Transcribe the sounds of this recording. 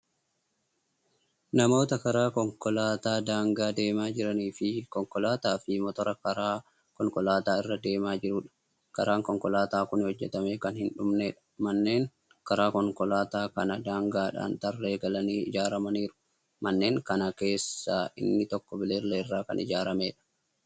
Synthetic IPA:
nɐmo̞ːt̪ɐkɐɾaːkɔŋkɔlaːt̪aːd̪aːŋɡaːd̪e̞ːmaːd͡ʒɪɾɐniːfɪkɔŋkɔlaːt̪aːfɪmɔt̪ɔɾɐkɐɾaː | kɔŋkɔlaːt̪aːɪrːɐd̪e̞ːmaːd͡ʒɪɾuːᶑɐ̥ | kɐɾaːŋkɔŋkɔlaːt̪aːkʊnɪhɔd͡ʒːɛt̪ɐmeːkɐnhɪnᶑʊmneːᶑɐ̥mɐnːe̞ːŋ | kɐɾaːkɔŋkɔlaːt̪aːkɐnɐd̪aːŋɡaːᶑa̰ːnt̪ɐrːe̞ːɡɐlɐniːɪ̰d͡ʒaːɾɐmɐniːɾʊ̥ | mɐnːe̞ːŋkɐnɐke̞ːsːaːʔɪ̰nːɪt̪ɔkːɔbɪleːlːeɪrːaːkɐ̰nʔɪ̰d͡ʒaːɾɐmeːᶑɐ̥

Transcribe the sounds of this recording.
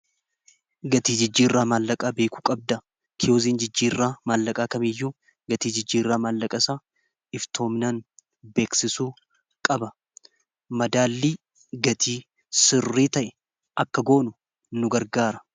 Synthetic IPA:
ɡɐt̪iːd͡ʒɪd͡ʒːiːrːaːmaːlːɐkʼaːbe̞ːkʊ̥kʼɐb̚d̪ɐ | kʰɪjoːziːnd͡ʒɪd͡ʒːiːrːaːmaːlːɐkʼaːkɐmɪːjːuː | ɡɐt̪iːd͡ʒɪd͡ʒːiːrːaːmaːlːɐkʼɐsaː | ɪft̪ʰo̞ːmɪnaːn | be̞ːksɪsuː | kʼɐbɐ | mɐd̪aːlːiː | ɡɐt̪ʰiː | sɪrːiːt̪ɐʔɛ̥ | ɐkːɐɡo̞ːnʊ | nʊɡɐɾɡaːɾɐ̥

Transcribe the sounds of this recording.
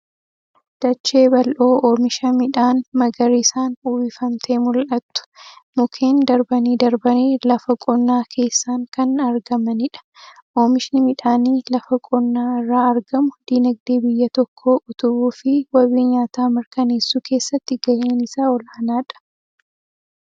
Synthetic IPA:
d̪̥ɐt͡ʃːeːbɐlʔoːoːmɪʃɐmɪᶑaːnmɐɡɐɾiːsaːnuːbɪfɐmt̪ʰe̞ːmʊlʔɐt̪ːʊ̥mʊkʰe̞ːnd̪ɐɾbɐniːd̪ɐɾbɐneːlɐfɐkʼɔnːaːkʰe̞ːsːaːŋkɐnɐɾɡɐmɐnɪᶑɐ̥ʔoːmɪʃnɪmɪᶑaːniːlɐfɐkʼɔnːaːɪrːaːɐɾɡɐmʊd̪iːnɐɡ̚d̪eːbɪjːɐt̪ɔkʰːoːʔʊt̪ʊbuːfɪwɐβiːɲaːt̪aːmɪɾkɐneːsːuːkʰe̞ːsːɐt̪ːɪɡɐʔeːnɪsaːɔlhɐnaːᶑɐ̥

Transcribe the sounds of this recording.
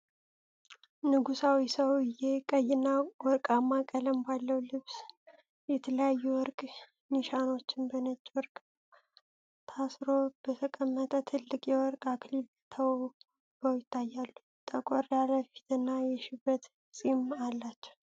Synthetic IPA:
nɨɡusawisəwɪjekʼəjɪnːawɔɾkʼamːakʼələmbalːəwlɨβs | jɛt̪ʰələjajːuwɔɾkʼ | niʃano̞t͡ʃːɪnbənət͡ʃʼːwɔɾkʼ | t̪ʰasɾo̞b̥ət̪ʰəkʼəmːət̪ʼət̪ʰɨlːɨkʼjɛwɔɾkʼakʰlib | t̪ʰəw | bəwjɪt̪ʰːajːalːu | t̪ʼʰːəkʼoɾjaləfi̥t̪ʰɨnːajɛʃɪbːət̪ | sʼimalːat͡ʃːɛ̥h

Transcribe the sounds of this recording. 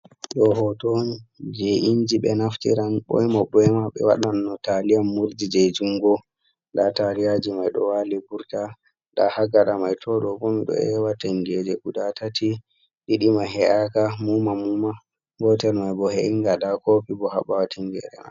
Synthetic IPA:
ɗɔɦɔtonid͡ʒɛʔind͡ʒiɓɛnaftḭɾanɓɔ̰jmaɓɔjmaɓɛ̰wa̰ɗanːɔtalijamːuɾdid͡ʒɛd͡ʒuŋɡɔ | ɗatalijad͡ʒimajɗɔ̰walibuɾta | ɗa̰haɡaɗamajtʰɔɗɔkɔmiɗɔ̰ɛwataŋɡɛd͡ʒɛkuɗatati | ɗiɗimaɦɛʔakamumamuma | ɡɔtɛlmajbɔhɛʔiŋɡaɗakopibɔha̰ɓawatʰiŋɡɛ̰ɗɛma̰

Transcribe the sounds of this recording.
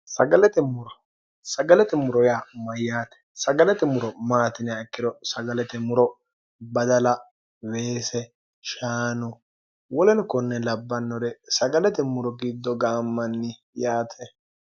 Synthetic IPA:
sɐɡɐlɛt̪ɛmʊɾɔ | sɐɡɐlɛt̪ɛmʊɾɔjaːmɐjːaːt̪ɛ̥sɐɡɐlɛt̪ɛmʊɾɔmaːt̪ɪnɛkːɪd̪ɔsɐɡɐlɛt̪ɛmʊɾɔ | bɐd̪ɐlɐ | weːsɛ | ʃaːnɔ | wɔlɛnkɔnːɛlɐbːɐnːɔɾɛsɐɡɐlɛt̪ɛmʊɾɔɡɪd̪ːɔɡaːmːɐnːɪ | jaːt̪ʰɛ

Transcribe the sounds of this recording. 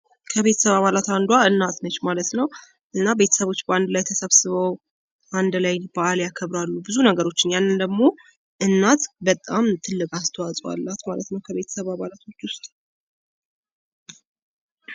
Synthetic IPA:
kʰəβe̞t̪ʰə̥səβaβalat̪and̪waɨnːat̪nət͡ʃːmalət̪nəw | ʔɨnːabe̞t̪ʰə̥səβo̞t͡ʃːbəand̪lajt̪ʰəsəβsɨβəw | ʔand̪lajbaaljakʰəβɾalːubɨzunəɡəɾo̞t͡ʃːɪnjanːɨnd̪əɡmo̞ | ʔɨnːat̪bət̪ʼːamt̪ʰɨlːɨkʼast̪ʰəwasʼəwa̰lːat̪malət̪nəwkʰəβe̞t̪ʰə̥səβaβalat̪ʰo̞t͡ʃːwʊst̪ʼ

